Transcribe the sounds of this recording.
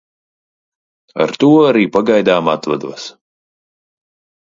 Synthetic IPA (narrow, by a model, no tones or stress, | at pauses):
a̰ɾt̪uɔaɾiːpaɡajd̪aːmat̪vad̪uɔs